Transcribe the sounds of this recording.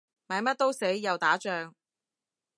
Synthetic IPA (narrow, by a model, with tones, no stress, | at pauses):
maː˨˧jmɐ˥t̚t̪o˥wse˨˥jːɐ˨wt̪aː˨˥t͡ʃœː˧ŋ